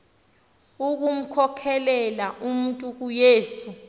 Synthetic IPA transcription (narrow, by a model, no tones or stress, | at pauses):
uk̬um̩kʰɔkʰɛlɛlaʔum̩ntʼuk̬ujeːsu